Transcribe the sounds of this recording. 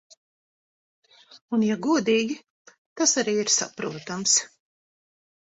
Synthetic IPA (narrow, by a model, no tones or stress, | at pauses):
unjaɡuɔd̪iːɡʲi | t̪asaɾiːiɾsa̰pɾuɔt̪ams